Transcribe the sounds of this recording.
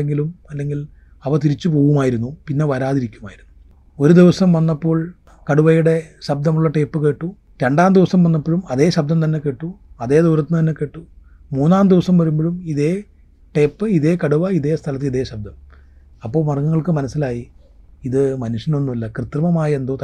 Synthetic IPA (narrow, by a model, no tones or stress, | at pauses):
eŋɡilumɐlːe̞ŋɡil | ɐʋɐt̪iɾit͡ɕːɨpo̞ːɣumaːjiɾunːupinːe̞ʋɐɾaːðiɾikʲːumaːjiɾunːuu | o̞ɾud̪iʋɐsɐmʋɐnːɐpːo̞ːɭ | kɐɽuʋɐjuɽe̞ɕɐb̚d̪ʱɐmuɭːɐʈe̞ːpːɨke̞ːʈːu | ɾe̞ɳɖaːmd̪iʋɐsɐmʋɐnːɐpːoɻumɐðe̞ːɕɐb̚d̪ɐmt̪ɐnːe̞ke̞ːʈːuɐðe̞ːd̪uːɾɐt̪ːnɨt̪ɐnːe̞ke̞ːʈːu | muːnːaːmd̪iʋɐsɐmʋɐɾumboɻumiðeː | ʈe̞ːpːɨiðe̞ːkɐɽuʋɐiðe̞ːst̪ʰɐlɐt̪ːiliðe̞ːɕɐb̚d̪ʱɐm | ɐpːo̞ːɭmɐrɐŋːɐŋːɐɭkɨmɐnɐsːilaːji | iðɨmɐnuʂjɐnonːilːɐkrɨt̪rɐmɐmaːjɐend̪ot̪